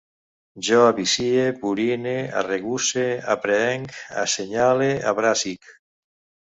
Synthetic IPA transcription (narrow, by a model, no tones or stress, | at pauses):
ʒɔaβisiepuɾinea̰reɣusea̰pɾeɛŋka̰seɲalea̰βɾasik